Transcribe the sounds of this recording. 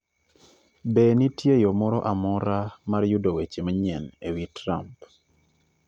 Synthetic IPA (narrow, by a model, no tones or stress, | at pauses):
benitjejɔmɔɾɔʔamɔɾamaɾjudowet͡ʃemaɲɛnewitɾamp